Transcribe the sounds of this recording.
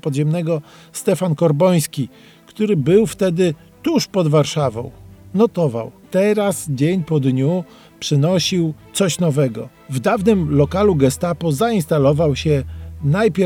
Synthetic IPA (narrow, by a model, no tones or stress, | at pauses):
pɔd̪ʑɛmnɛɡɔ | st̪ɛfankɔɾbɔj̃skʲi | kt̪uɾɘbɘwft̪ɛd̪ɘ | t̪uʂpɔd̪vaɾʂavɔ̰̃w̃nɔt̪ɔva̰wt̪ɛɾasd͡ʑeɲpɔd̪ɲu | pʂɘnɔɕiwt̪sɔɕnɔvɛɡɔ̰ | vd̪avnɘmlɔkaluɡɛst̪apɔzaĩnst̪alɔvawɕɛnajpʲɛ